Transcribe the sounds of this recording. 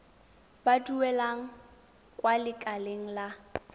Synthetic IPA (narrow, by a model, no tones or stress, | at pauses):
baduwɛlaŋ̩ | kʼwalɪkʼaleŋ̩la